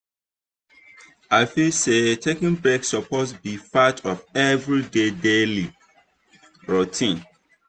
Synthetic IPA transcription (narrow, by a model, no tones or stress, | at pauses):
aɪfilsetʰekĩnbɹeksɔpʰosbifatʰɔfɛvɹidedeli | ɹotʰĩn